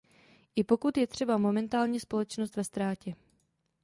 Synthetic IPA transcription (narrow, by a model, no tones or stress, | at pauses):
ʔɪpo̞kut̪jɛt̪r̝̥ɛbamo̞mɛnt̪aːlɲiːspo̞lɛt͡ʃnost̪vɛst̪ɾaːcɛ